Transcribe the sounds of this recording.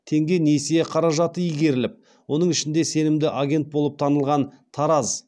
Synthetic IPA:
t̪ʰe̞ŋɡʲe̞nesejeqʰɑɾɑʒɑt̪əijɡʲe̞ɾɪlɪp̚ | wo̞nəɴɪʃɪnd̪e̞se̞nɪmd̪ɪʔaɡʲe̞nt̪̚bo̞lˠəp̚t̪ʰɑnəlˠʁɑn | t̪ʰɑɾɑz

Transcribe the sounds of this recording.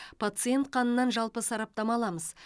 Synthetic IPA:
pʰat̪sɨje̞nt̪̚qʰɑnənːɑnʒɑlˠpəsɑɾɑp̚t̪ɑmɑlˠɑməz

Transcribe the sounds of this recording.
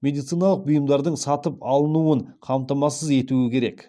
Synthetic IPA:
mʲe̞d̪ijt̪sijnɑlˠəq̚bʊjəmd̪ɑɾd̪əɴsɑt̪əpɑlˠənuəɴqʰɑmt̪ɑmɑsəze̞t̪uɪkʲʰe̞ɾe̞k

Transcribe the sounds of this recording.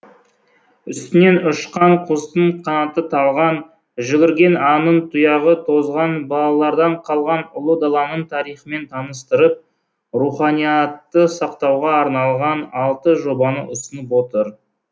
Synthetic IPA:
ʏst̪ɪne̞nʊʃqɑɴqʰost̪əɴqʰɑnɑt̪ət̪ʰɑlˠʁɑn | ʒʏɡʲɪɾɡʲe̞nɑnənt̪ʰujɑʁət̪ʰo̞zʁɑnbɑlˠɑlˠɑɾd̪ɑɴqʰɑlˠʁɑnʊlˠəd̪ɑlˠɑnəɴt̪ʰɑɾijχəme̞nt̪ʰɑnəst̪əɾəp̚ | ruχɑnijɑt̪ːəsɑqt̪ɑwʁɑːɾnɑlˠʁɑnɑlˠt̪əʒo̞bɑnə̰ʊsənəpwo̞t̪əɾ

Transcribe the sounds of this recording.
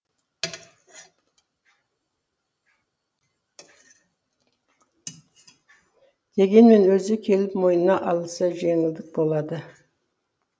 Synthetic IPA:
d̪̥e̞ɡʲe̞nme̞nwɵzɪkʲʰe̞lɪpmo̞jnənɑʔɑlˠəsəʒe̞ŋɪld̪ɪk̚bo̞lˠɑd̪ə

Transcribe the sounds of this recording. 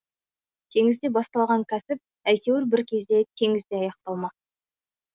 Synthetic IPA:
t̪ʲʰe̞ŋɪzd̪e̞bɑst̪ɑlˠʁɑŋkʲʰæsɪp̚ | æjk̪ʲe̞wɪɾbɪɾkʲʰe̞zd̪e̞t̪ʲʰe̞ŋɪzd̪eɑjɑq̚t̪ɑlˠmɑq

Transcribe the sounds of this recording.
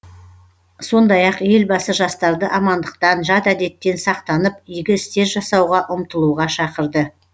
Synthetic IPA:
so̞nd̪ɑjɑqje̞lbɑsəʒɑst̪ɑɾd̪əʔɑmɑnd̪əq̚t̪ɑnʒɑt̪æd̪e̞t̪ːe̞nsɑqt̪ɑnəpʏjɡʲɪɪst̪e̞ɾʒɑsɑwʁɑʔʊmt̪əlˠuʁɑʃɑqəɾd̪ə

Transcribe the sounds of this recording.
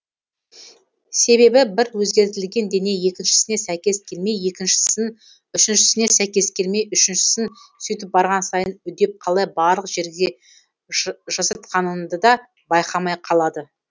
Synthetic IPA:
se̞be̞bɪbɪɾwɵzɡʲe̞ɾt̪ɪlɡʲe̞nd̪e̞ne̞je̞kʲɪnʃɪ̥sɪne̞sæjkʲe̞skʲʰelme̞jje̞kʲɪnʃɪ | ʏʃɪnʃɪ̥sɪne̞sæjkʲe̞skʲe̞lme̞jʏʃɪnʃɪ̥sɪnsʏjt̪̬ɪp̚bɑɾʁɑnsɑjənʏd̪e̞p̚qʰɑlˠɑjbɑɾlˠəqʒ̥e̞ɾɡʲɪd̪e̞ | ʒɑsɑt̪̚qʰɑnənd̪əd̪ɑ | bɑjqɑmɑjqʰɑlˠɑd̪ə

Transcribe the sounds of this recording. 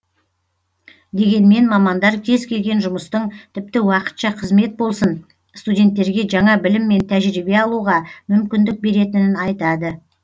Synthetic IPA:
d̪e̞ɡʲe̞nme̞nmɑmɑnd̪ɑɾkʲʰe̞zkʲʰe̞lɡʲe̞nʒʊməst̪əɴt̪ʰɪp̚t̪ɪwɑqə̥t̪ʃɑqʰəzme̞t̪̚bo̞lˠsən | st̪udʲe̞nt̪ːe̞ɾɡʲe̞ʒɑɴɑbɪlɪmːe̞nt̪ʰæʒɾibe̞ɑlˠuʁɑmʏmkʲɪnd̪ɪk̚be̞ɾe̞t̪ɪnɪnɑjt̪ɑd̪ə

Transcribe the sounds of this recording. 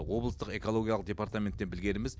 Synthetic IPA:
wo̞blˠəst̪əqe̞ko̞lˠo̞ɡʲijalˠəq̚d̪ʲe̞paɾt̪amʲe̞nt̪ːe̞nbɪlɡʲe̞ɾɪmɪz

